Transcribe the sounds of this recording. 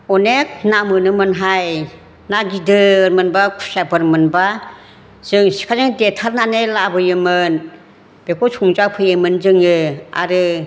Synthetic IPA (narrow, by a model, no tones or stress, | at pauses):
ɔnek̚namɯnɯmɯnɦaj | naɡidɯːɾmɯnbasabɯɾmɯnba | z̥ɯŋsi̥kʰazɯŋdetʰaɾnanelabɯjɯmɯn | b̥ekʰɔsʰuŋzapʰɯjemɯnzɯŋɯa̰ɾɯ